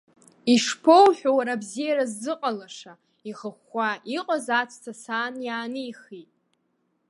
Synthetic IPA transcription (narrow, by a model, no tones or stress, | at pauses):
iʂpʰowħʷᶣawaɾabzijaɾazːɨqʼalaʂa | iχəχʷaʔiqʼazat͡sʰʼtʰasaːnjaːnɨiχitʼ